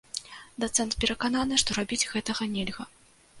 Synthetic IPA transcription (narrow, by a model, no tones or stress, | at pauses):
d̪at̪sɛnt̪pʲɛɾɐkananɨʂt̪ɔɾabʲid͡zʲɣɛt̪ɐɣɐnʲɛlʲɣɐ